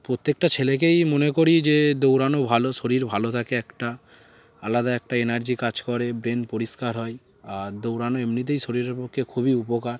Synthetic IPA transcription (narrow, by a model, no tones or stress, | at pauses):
pɾot̪ːek̚ʈat͡ɕʰelek̬ejmonekoɾid͡ʑed̪owɾanobʱaloʃoɾiɾbʱalot̪ʰakeɛkʈa | alad̪aɛk̚ʈaenaɾd͡ʑikad͡ʑkɔɾebɾenpoɾiskaɾɦɔe | ad̪owɾanoemnit̪̬ejʃoɾiɾeɾpokʰːekʰubiupokaɾ